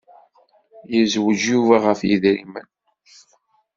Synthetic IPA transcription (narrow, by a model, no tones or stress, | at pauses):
jəzwəʒjuvæʁəfjḭðɾimə̰n